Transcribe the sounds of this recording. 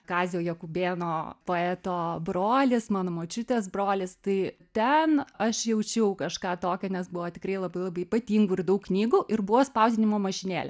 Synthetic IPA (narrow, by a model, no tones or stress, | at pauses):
kɑːzʲɪjoːjɛkʊbʲeːnoːpoːɛːt̪oːbroːlʲɪsmɑːnoːmoːt͡ʃʲʊt̪ʲeːs̬broːlʲɪst̪ɐɪt̪ʲɛnɐʃjɛʊt͡ʃʲɛʊkɐʃkɑːt̪oːkʲɛnʲɛsbʊʋoːt̪ʲɪkɾɐɪlˠɐbɐɪlˠɐbɐɪipɐt̪ʲiːŋɡuːɪrd̪ɐʊkknʲiːɡuːʔɪrbʊʋoːspɐʊzʲɪnʲɪmoːmɐʃʲɪnʲeːlʲɛ